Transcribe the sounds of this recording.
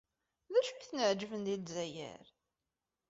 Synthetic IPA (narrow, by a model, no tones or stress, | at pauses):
ðæʃuçθənəʕd͡ʒəvənd̪ilzæjə̰ɾ